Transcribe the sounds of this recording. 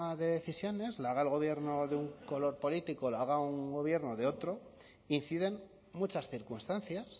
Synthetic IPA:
aðe̞ðe̞θisjo̞ne̞zlaɣaelɣo̞βje̞ɾno̞ðeuŋko̞lo̞ɾpo̞lit̪ikolaɣ̞auŋɡo̞βje̞ɾno̞ðeo̞t̪ɾo̞ | inθiðe̞n | mut͡ʃasθiɾkunst̪anθjas

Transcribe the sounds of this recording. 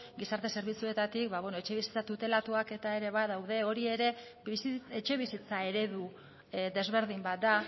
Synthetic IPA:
ɡisaɾt̪e̞se̞ɾβ̞it͡sue̞t̪at̪ikbaβwe̞no̞et͡ʃe̞βisi̥t͡sat̪ut̪e̞lat̪uake̞t̪ae̞ɾe̞βaðawð̞e̞o̞ɾie̞ɾe̞ | et͡ʃe̞βisit͡sae̞ɾe̞ðu | d̪e̞zβe̞ɾð̞imbat̪̚d̪a

